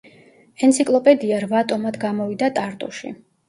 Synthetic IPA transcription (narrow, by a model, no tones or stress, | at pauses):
ɛnt̪sʰikʼlˠɔpʼɛd̪iaɾvat̪ʼɔmad̪ɡamɔvid̪at̪ʼaɾt̪ʼṵʃḭ